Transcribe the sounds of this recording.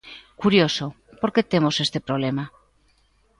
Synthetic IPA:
kuɾjo̞so̞ | po̞ɾke̞t̪e̞mo̞se̞st̪e̞pɾo̞β̞le̞ma

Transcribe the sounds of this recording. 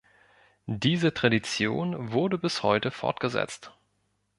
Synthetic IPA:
diːzətʁ̥adit͡sjo̰ːnvʊɐdəbɪshɔ̰ʏtəfɔ̰ɐt̚ɡ̥əzɛ̰t͡st

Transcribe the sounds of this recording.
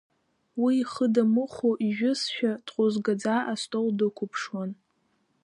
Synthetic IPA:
wiːχədamɨχoʔiʒᶣʊsʃᶣad̥qʷʼʊzɡad͡zaʔastʼoldɨkʷʰʊpʰʂwan

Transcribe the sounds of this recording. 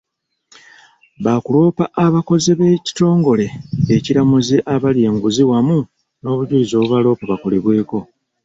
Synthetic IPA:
βakulo̞ːpaʔaβako̞zeβe̞ːci̥to̞ːŋɡo̞le̞eciɾamuzeʔaβalje̞ːŋɡuziwamu | no̞ːβuɟulizoːβuβalo̞ːpaβako̞le̞βwe̞ːko̞

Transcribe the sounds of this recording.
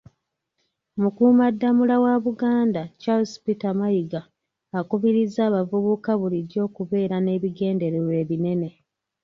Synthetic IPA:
mukuːmadːamulawaβuɡaːndat͡ʃalspitamajiɡaː | kuβiɾizaːβavuβukaβuliɾjo̞ːkuβe̞ːɾane̞βiɡe̞ːnde̞ɾeɾwe̞ːβine̞ne̞

